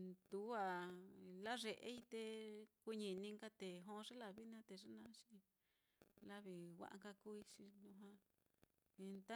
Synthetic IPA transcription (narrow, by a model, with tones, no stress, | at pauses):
t̪u˨˦a˨la˦ʐe˨ʔḛ˦i˧t̪e˧ku˧ɲĩ˧˨˧nĩ˧ŋka˦t̪e˨ɦõ˦˧ʐe˦la˧βi˦nã˦t̪e˧ʐa˦nã˧˦t͡ʃi˦ | la˦βi˧wa̰˦ʔa̰˧ŋka˧ku˦i˧t͡ʃi˧nũ˧ɦã˧ | i˧nt̪a˦